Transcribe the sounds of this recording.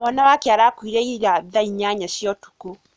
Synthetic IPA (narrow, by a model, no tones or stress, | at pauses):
ɔnawakeaɾakwiɾɛiɾaðaiɲaɲaɕjɔtu̥ko